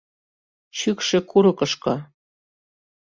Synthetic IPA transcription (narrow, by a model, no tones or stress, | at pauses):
t͡ɕykʃĕkuɾɤ̆kɤ̆ʃkɑ